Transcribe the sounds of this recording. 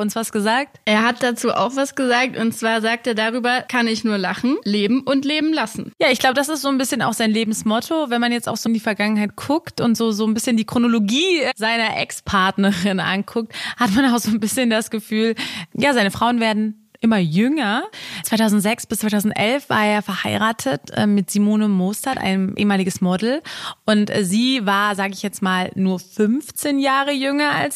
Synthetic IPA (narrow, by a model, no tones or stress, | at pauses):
ʊnsv̥asɡ̥əzaːk̚tʔeːɐɦat̚d̥at͡suːʔa̰ʊxv̥asɡ̥əzaːk̚tʊntt͡sv̥aːɐzaːk̚teːɐdaʁyːbɐkʰanɪçnuːɐlaχn̩leːbm̩ʔʊntleːbm̩lasn̩jaːɪçɡ̥laʊbədasɪstz̥oːnbɪsçəna̰ʊxz̥aɪnleːbm̩smɔtʰovɛnmanjɛt͡sta̰ʊxz̥ondiːfɛɐɡaŋənɦaɪt̚kʰʊktʊntz̥oːzoːnbɪsçəndiːkʁ̥onoloɡiːzaɪnɐʔɛ̰kspʰaɐtnəʁɪnʔa̰nkʰʊk̚thatmanaʊxz̥oːnbɪsçəndasɡ̥əfyːljaːzaɪnəfʁ̥aʊənveːɐdn̩ | ʔɪmɐjʏŋɐt͡sv̥aɪtʰaʊzn̩tz̥ɛksb̥ɪst͡sv̥aɪtʰaʊzn̩tʔɛlfv̥a̰ːɐeːɐfɛɐhaɪʁaːtʰətʔɛ̰ːmɪtz̥imoːnəmoːstatʔa̰ɪnəmʔḛːəmaːlɪɡəsmɔdl̩ʔʊntʔɛziːvaːɐzaːɡəɪçjɛt͡stmaːlnuːɐfʏnft͡seːnjaːʁəjʏŋɐa̰ls